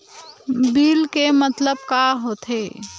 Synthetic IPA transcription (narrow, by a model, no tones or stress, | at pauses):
biːlkemət̪ləb̚kaɦoːt̪ɦe